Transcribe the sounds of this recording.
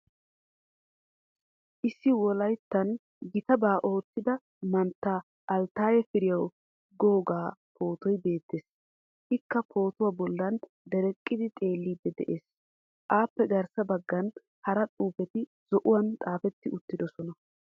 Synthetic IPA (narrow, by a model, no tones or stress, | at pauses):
ʔɪsːɪwɔlɐjt̪ːɐn | ɡɪt̪ɐbaːʔo̞ːt̪ːɪd̪ɐ | mɐnt̪ːaː | ʔɐlt̪aːjɛfɪɾɪjɐw | ɡoːɡaːpʰo̞ːt̪ɔjbe̞ːt̪ʰːeːs | hɪkːɐpʰo̞ːt̪ʊwabɔlːɐn | d̪ɛɾɛkʼːɪd̪ɪt̪ʼe̞ːlːiːd̪ːɛd̪ɛ̰ʔe̞ːs | ʔaːpːɛɡɐɾsɐbɐɡːɐn | hɐɾɐt̪ʼuːfɛt̪ɪ | z̥ɔʔʊwɐnt̪ʼaːfɛt̪ːɪʔʊt̪ːɪd̪ɔsɔnɐ